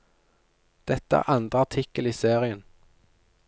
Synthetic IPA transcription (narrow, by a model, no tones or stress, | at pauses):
d̪̥ɛt̪ːəæ̰ːʁʔɑnd̪ʁəɑʈ̪ʰɪkəliːseːʁɪən